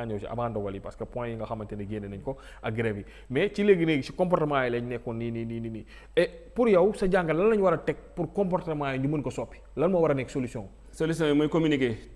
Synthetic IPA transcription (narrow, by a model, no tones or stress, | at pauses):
aɲɔwsḭɐ̰baːndɔɡɐlipa̰skɐpɔ̃jjiŋɡɐxɐmːɐntɛnɐɡenenɐɲkɔ | ʔɐɡɾevi | mɛt͡ʃileɡineɡsikɔ̃mp̬ɔɾtɐmaːjɛlɛɲnɛkːɔninininini | ɛpuɾjɐwsɐɟaːŋɡɐlɐnːɐɲwɐɾɐtɛk̚puɾkɔ̃mpɔɾtɐmaːjɲɟumənkɔsɔpːi̥lɐnmɐwɐɾɐnɛksolusiɔ̃ŋ | solis̬ɔ̃mɐjkominike